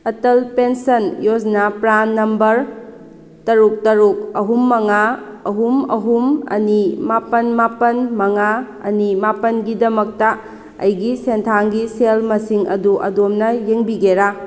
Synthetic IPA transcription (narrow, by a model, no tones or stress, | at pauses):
ɐtɐlpensɐnjoznapɾanːɐmbɐɾ | tɐɾuk̚tɐɾuk̚ɐɦumːɐŋaɐɦumɐ̰ɦumɐ̰nimapɐnmapɐnmɐŋa | ɐ̰nimapɐnɡidɐmɐk̚tɐ | ɐ̰jɡisentʰaŋɡiselmɐsiŋɐ̰duʔɐ̰domnɐjeŋbiɡeɾa